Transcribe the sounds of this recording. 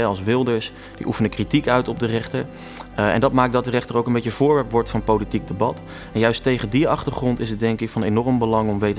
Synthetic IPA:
ɑlˠsʋɪlˠdəɹs | d̥ḭʔufənəkritikœɥtɔb̚dərɛχtəɹ | ɛ̰ndɑt̚maːk̚dɑt̚dərɛχtərowkənbejcəvʊːɹʋɛɹpʋɔɹtfɑnpowlitik̚dəbɑt | ɛnjœɥstejχədiɑχtəɹχrɔntɪsət̚dɛŋkɪkfɑnejnɔrəmbəlɑŋɔmʋejtə

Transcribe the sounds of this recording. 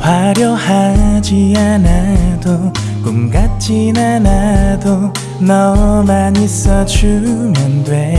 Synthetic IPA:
waɾjʌhad͡ʑianado | kunɡat͡ɕinanado | nʌmaɲis͈ʌd͡ʑumjʌndwe

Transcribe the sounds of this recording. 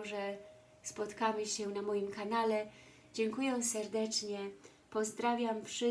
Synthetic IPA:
ʐɛ | spɔt̪kamɘɕɛnamɔjimkanalɛ | d͡ʑɛŋkujɛ̃sɛɾd̪ɛt͡ʂɲɛ | pɔzd̪ɾavʲjamfʂɘ

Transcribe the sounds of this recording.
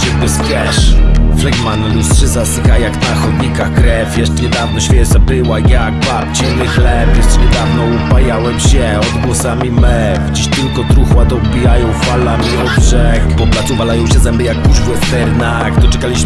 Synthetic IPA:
ɛzbɛsfʲjɛʂfrɛɡmanlust̪ʂɘzasɪkajaknaxɔd̪ɲikaxkɾɛfʲjɛʂt͡ʂɛɲɛd̪avnɔɕfʲjɛsabɘwajak̚bap̚t͡ɕinɪxlɛpjɛʂt͡ʂɛɲɛd̪avnɔupajawɛmɕɛ | ɔd̪ɡwɔsamʲimɛ | fd͡ʑiɕt̪ɘlkɔt̪ɾuxwat̪ɔbʲijajɔ̃w̃falamʲiɔd̪̚bʐɛkpɔplat̪suvalajɔ̃w̃ɕɛzɛmbɘjak̚puʐvʲiwɔft̪ɛɾna | kd̪ɔt͡ʂɛkalʲiɕ

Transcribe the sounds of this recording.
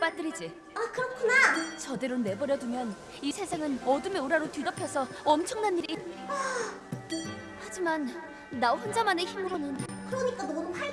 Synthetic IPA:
p͈at͈ɯɾid͡ʑi | akɯɾʌkʰunat͡ɕʌde̞ɾone̞bʌɾjʌdumjʌn | isʰe̞sʰaŋɯnʌdɯmeoɾaɾotɥidʌpʰjʌsʰʌ | ʌmt͡ɕʰʌŋnanːiɾia | had͡ʑimanː | aoɸʌnd͡ʑamaneçimɯɾonɯnkʰɯɾʌmit͈adomʌa

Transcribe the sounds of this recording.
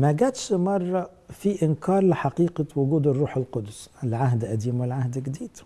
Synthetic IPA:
mæɡæd̪ʃmɑrˤːɑ | fiʔɪnkɑːɾˤlɪħɑqiːqawʊɡuːd̪ɪrˤːuːħɪlqʊd̪ʊsɪlʕaɦd̪ʔæd̪iːmwɪlʕahd̪ɡɪd̪iːd̪̥

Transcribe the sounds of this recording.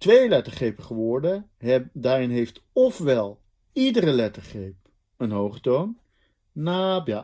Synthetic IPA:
tʋejlɛtəɹχejpəχəʋɔɹdədaːɾɪnɦejftɔfʋɛlˠ | idəɾəlɛtəɹχejp̚ | ənɦowχətown | naːbja

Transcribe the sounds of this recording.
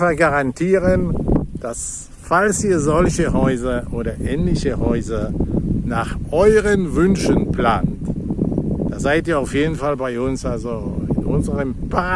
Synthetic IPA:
faɡ̥aʁantʰiːʁənd̥as | falsiːɐzɔlçəɦɔʏzɐʔoːɾɐʔɛːnlɪçəhɔʏzɐnaːχʔɔʏʁənvʏnʃənplaːnt | d̥aːzaɪtiːɐaʊfjeːdn̩falbaɪʔʊnsʔalzoɪ̰nʔʊ̰nzəʁəmpʰa

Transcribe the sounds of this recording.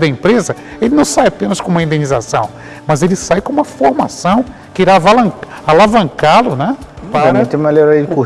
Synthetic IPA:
d̪ɐẽmpɾezɐelɪnɐ̃w̃sajapẽnɐskõumɐĩnd̪ẽnizasɐ̰̃w̃ | mɐzelɪsajkõũmɐfoɾma̰sɐ̃w̃ | kɪiɾavalɐ̃alavɐ̃ŋkalʊnɛpaɐɾmẽt̪ẽmelɔɾaidɪko

